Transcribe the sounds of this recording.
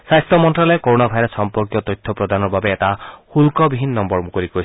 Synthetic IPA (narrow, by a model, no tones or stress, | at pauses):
sajst̪ɔmɔnʈɾalɔekoɾoñabʱajɾesɔmpɔɾkjɔt̪ɔjt̪ʰːɔpɾɔd̪ʱanɔɾbabeːtahulkɔbiɦinːɔmbɔɾmukoɾiko